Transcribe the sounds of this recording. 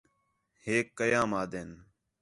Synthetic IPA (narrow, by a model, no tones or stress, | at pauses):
heːkːəjaːmaːd̪eːn